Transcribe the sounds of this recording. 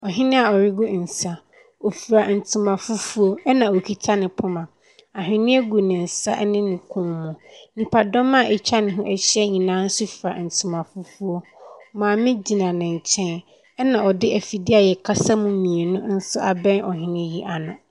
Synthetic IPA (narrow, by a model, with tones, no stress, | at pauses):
ɔ˨ɦɪ̃˦nɪ̃˦a˨ɔ˨ɾɪ˦ɡʊ˦n̩˨sa˦ | o˨fi˨ɾa˨n̩˨tʰu˨mã˨fʊ˦fu˦o˦ɛ˦nã˨o˨kʰi˨tʰa˦nɪ̃˨pʰʊ˦mã˨ | a˨ɦɪ̃˨nɪ̃˦ɛ˦ɡu˨nɪ̃˨n̩˨sa˦ʔɛ˦nɪ̃˦nɪ̃˨kʰʊ̃˦mmʊ̃˨nĩ˨pʰa˨dɔ˦mã˦˨ɛ˨t͡ɕʰa˦nɪ̃˨ɦʊ̃˦ʔɛ˦ɕɛ˦ɲĩ˨nãː˦n̩˦sʊ˦fi˨ɾa̰˨n̩˨tʰũ˨mã˨fʊ˦fu˦o˦mãː˨mɪ̃˦d͡ʑi˨nã˨nɪ̃˨ɲ˨t͡ɕʰɛ̃˦n | ɛ˦nã˨ɔ˨dɪ˦ʔɛ˨fi˨dɪ˦a˨jɛ˨kʰa˦sa˦mũ˨mĩ˨e˨nʊ̃˦n̩˦sʊ˦ʔa˨bɛ̃˦nɔ˨ɦɪ̃˦nɪ̃˦ji˦ʔa˨nʊ̃˨